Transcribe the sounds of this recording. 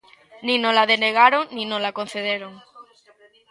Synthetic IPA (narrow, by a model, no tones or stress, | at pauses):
nĩnolaðeneɣ̞aɾoŋnĩnolakon̟θeðeɾoŋ